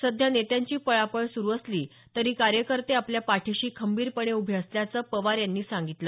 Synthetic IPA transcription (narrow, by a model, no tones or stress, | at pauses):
səd̪ʱjanet̪jaɲt͡ɕiːpəɭapəɭsuɾuːəsliː | t̪əɾiːkaɾjəkəɾt̪eapljapaʈʰiɕiːkʰəmbiːɾpəɳeubʱeəsljat͡səːpəʋaɾjanːiːsãŋɡit̪lə